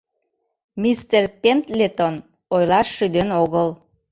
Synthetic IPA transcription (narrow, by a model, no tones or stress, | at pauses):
mist̪erpent̪lʲet̪on | ojlɑʃːyd̪enoɣəl